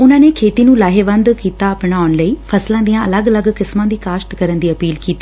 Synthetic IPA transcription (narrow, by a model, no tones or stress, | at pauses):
ʊnãːneːkʰeːt̪iːnũːlaːɦeʋə̃nd̪kiːt̪aːəpɳaːnləiːfʰəslãːd̪ijãːələɡələɡkɪsmãːd̪iːkaːʃʈkəɾənd̪iːəpiːlkiːt̪iː